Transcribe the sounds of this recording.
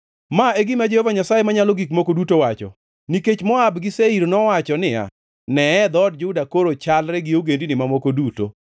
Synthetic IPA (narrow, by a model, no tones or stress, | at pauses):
maeɡɪmad͡ʒehovaɲasaemaɲalɔɡikmokodutowat͡ʃɔ̰ | niket͡ʃmɔabɡɪseiɾnɔwat͡ʃɔnɪa̰ | nɛɛd̪ɔd̚d͡ʒʊdakoɾot͡ʃalɾɛɡɪoɡendinɪmamokoduto̰